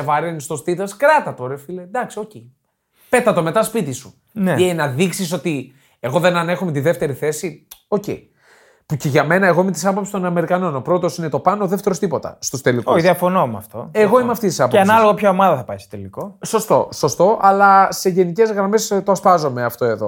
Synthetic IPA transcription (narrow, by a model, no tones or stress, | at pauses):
evɐɾenist̪ost̪iθɐskɾɐt̪ɐt̪oɾefiled̪ɐksio̞ce | pe̞t̪ɐt̪o̞me̞t̪ɐspit̪isu | neenɐðiksiso̞t̪i | e̞ɣo̞ðe̞nɐne̞xomet̪iðe̞ft̪e̞ɾiθe̞sio̞ce̞̰i | puce̞ʝɐme̞nɐeɣo̞ime̞t̪i̥sɐpopsist̪o̞nɐme̞ɾikɐno̞no̞pɾo̞t̪o̞sinet̪o̞pɐnooðe̞ft̪eɾo̞st̪ipo̞t̪ɐ̰st̪ust̪elikoiðiɐfonomɐ̰ft̪o̞eɣo̞imeɐft̪ist̪isɐpoeɐnɐloɣɐpçoomɐðɐθɐpɐjstot̪elikoso̞st̪o̞so̞st̪o̞ʔɐlɐseʝe̞nice̞zɣɾɐme̞st̪oɐspɐzo̞me̞ɐft̪o̞e̞ðo̞̰